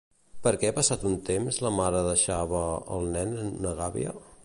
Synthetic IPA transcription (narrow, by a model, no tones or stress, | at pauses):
pəɾkɛapəsat̪unt̪emzləmaɾəðəʃaβəə̰lˠnɛnunəɣaβḭə̰